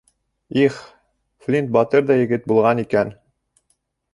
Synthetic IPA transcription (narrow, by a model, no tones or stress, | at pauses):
iχ | flʲint̪̚bɑt̪ɤɾðɑjɘ̆ɡɘt̪̚bulˠʁɑnikæn